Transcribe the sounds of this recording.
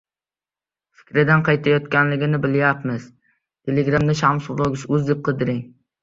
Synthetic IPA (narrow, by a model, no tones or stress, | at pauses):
fɪ̥kʲɾɪd̪anqʰɑjt̪ʰajɒt̪kʲanlɪɡʲɪnɪbɪljapmɪz̥ | t̪ʰeleɡɾamd̪aʃamsʊlˠoɡʲɪsʊzd̪ep̚qʰɨd̪ɪɾɪŋ